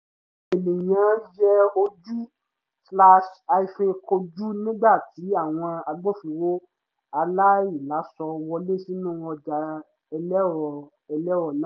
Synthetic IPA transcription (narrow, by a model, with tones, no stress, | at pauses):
e˨le˨jã˨˦d͡ʒɛ˦o˧d͡ʒu˦ | sla˧ʃa˧i˧fĩ˧ko˧d͡ʒu˦nĩ˦ɡ͡ba˦˨ti˨˦a˦˨w̃ɔ̃˧a˧ɡ͡bɔ˦˨fi˨wo˦ | a˧la˦i˦˨la˨˦sɔ˧wɔ˧le˦˨si˦nũ˦ɔ˧d͡ʒa˧ | ɛ˧lɛ˦˨ | ɛ˧lɛ˦wɔ˨nã˦